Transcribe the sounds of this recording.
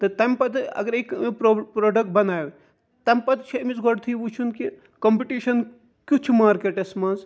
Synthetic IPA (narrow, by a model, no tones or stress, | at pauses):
t̪ɨt̪ɐmpɐt̪ʰɐ̰ɡɐɾekpɾopɾoːɖɐk̚ʈ̚bɐnaːʋe | t̪ɐmpɐt̪ʰt͡ʃʰɐmizɡoɽt̪ʰibut͡ʃʰunki | kɐmpiʈiːʃɐn | kʲut͡ʃʰumaːɾkeʈɐsmɐz